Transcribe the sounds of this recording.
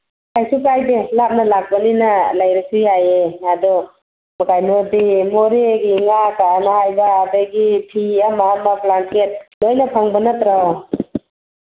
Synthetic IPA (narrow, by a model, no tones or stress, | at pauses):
kajsukajdelap̚nalak̚balinalajɾɯkʰiajeadɔ | makajnodimoɾeɡiŋakanahajbaːdaɡipʰiamaːmaklantet̚lojnapʰaŋbanat̪ɾaw